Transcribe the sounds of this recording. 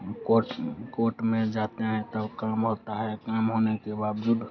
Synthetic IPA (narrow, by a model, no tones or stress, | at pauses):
koʈkoʈmẽd͡ʒat̪eɦɛ̃t̪əbkamɦot̪aɦɛkamɦonekebabd͡ʒud̪